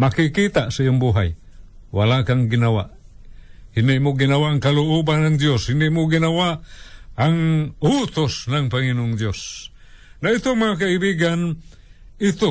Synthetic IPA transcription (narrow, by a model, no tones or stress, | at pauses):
makikit̪aʔsaioŋbuɦaj | walakaŋɡɪnawa̰ʔ | hɪnɪʔmʊɡɪnawaʔːŋkalʊʔubanːaŋd̪joshɪnɪʔmʊɡɪnawaʔaŋʊt̪ʊsnaŋpaŋinʊŋd̪jos | nait̪omaŋak̬aibiɡan | it̪o